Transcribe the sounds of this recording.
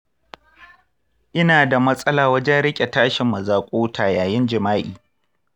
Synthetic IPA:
ʔɪ˦naː˨da˨mɐ˦sʼɐ˦laː˨wɐ˦d͡ʒɛ˦nɽɪ˦kʲʼe˨taː˦ʃɪ˨mːɐ˨zaː˨kʷʼoː˦tʰaː˨jaː˨jɪ˦nd͡ʒɪ˨maː˦ʔiː˨

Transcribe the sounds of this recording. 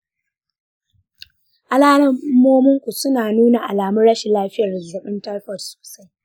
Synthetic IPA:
ʔa˨laː˦nɐ˦m˦mːoː˦mʊ˦ŋkʷu˨sʊ˦naː˨nuː˦na˨ʔa̰˨laː˨mʊ˦rɽɐ˦ʃɪ˨laː˦ɸɪ˦jɐ˨rdzɐ˨ɓɪ˦ntɐ˦rɸɔ˨sso̥ː˨sa˦j

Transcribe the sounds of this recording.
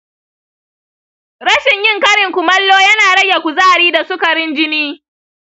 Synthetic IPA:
ɾɐ˦ʃɪ˨ɲjɪ˦ŋkɐ˦ɽɪ˨ŋkʷʊ˨mɐ˦lːoː˦jɐ˦naː˨ɽɐ˦jʲa˨kʷu˨zaː˦˨ɽiː˦da˨sʊ˦kɐ˨ɾɪ˦nd͡ʒɪ˦niː˦

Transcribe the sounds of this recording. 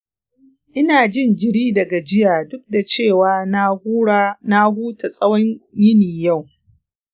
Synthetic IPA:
ʔɪ˦naː˨d͡ʒɪ˦nd͡ʒɪ˨ɽiː˦dɐ˨ɡa˨d͡ʒɪ˦jaː˨dʊ˦k̚da˨t͡ʃeː˦˨waː˨˦ | na˦huː˦ta˨sʼɐ˦wɔ˦ɲjɪ˦niː˨ja˦˨w

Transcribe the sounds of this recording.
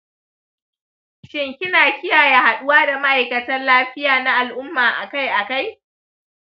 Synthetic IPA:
ʃɪ˦ŋkʲɪ˦naː˨kʲɪ˦jaː˨ja˨ha˨ɗʊ˦waː˦da˨ma˦ʔa˨jkɐ˨tɐ˦nlaː˦ɸɪ˦jaː˨na˦ʔa˨lʔʊ˦mːaː˨ʔa˨ka˦jʔa˨ka˦j

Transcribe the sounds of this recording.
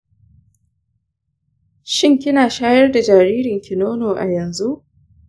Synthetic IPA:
ʃɪ˦ŋkʲɪ˦naː˨ʃaː˦jɐ˦rda˨d͡ʒaː˨ɾiː˦ɾɪ˨ŋkʲʰɪ˨noː˦noː˨ʔa̰˨jɐ˨nzu˦ʔ

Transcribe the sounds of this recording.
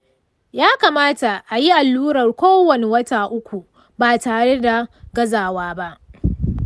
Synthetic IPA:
jaː˦kaː˨maː˦ta˨ʔa˨ji˦ʔa˨lːuː˦ɽɐ˨rkʷoː˦wɐ˨ne˨wɐ˦taː˨ʔʊ˦kʷu˨ | baː˨taː˨ɽe˦da˨ɡɐ˦zaː˨waː˦ba˦ʔ

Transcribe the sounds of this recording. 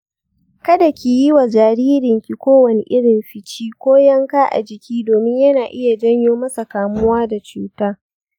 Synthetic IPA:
kɐ˦da˨kʲi˨jɪ˦wa˨d͡ʒaː˨ɾiː˦ɾɪ˨ŋkʲi˨kʷoː˦wɐ˨ni˨ʔɪ˦ɽɪ˨mɸɪ˨t͡ʃiː˦kʷoː˦jɐ˦ŋkaː˦ʔa̰˨d͡ʒɪ˨kʲiː˦doː˨mɪ˦ɲjɐ˦naː˨ʔɪ˦ja˨d͡ʒɐ˦ɲjoː˦mɐ˦sa˨kaː˨mʊ˦waː˦da˨t͡ʃuː˦taː˦

